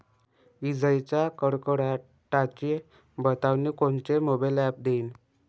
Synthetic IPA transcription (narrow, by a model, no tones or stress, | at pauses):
ʋid͡zəjt͡ɕakəɽkəɽa | ʈat͡ɕi | bət̪aʋnikont͡ɕemobalɛp̚d̪eiːn